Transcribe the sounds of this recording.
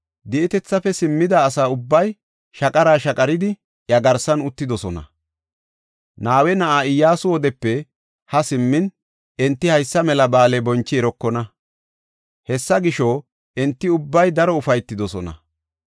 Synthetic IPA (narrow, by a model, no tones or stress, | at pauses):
d̪ɪʔɪt̪ɛt͡sːɐfɛsɪmːɪd̪aːsaːʊbːɐj | ʃɐkʼɐɾaːʃɐkʼɐɾɪd̪ɪ | jɐɡɐɾsɐnʊt̪ːɪd̪ɔsɔnɐ̰ | naːwɛnɐʔaːɪjːaːsʊwɔd̪ɛpːɛ | hɐsɪmːɪn | ɛnt̪ːɪhɐjsːɐmɛlɐbaːlɛbɔnt͡ʃːɪɛɾɔkːɔnɐ | hɛsːɐɡɪʃɔ | ɛnt̪ːɪʊbːɐjd̪ɐɾɔʊfɐjt̪ːɪd̪ɔsɔnɐ̰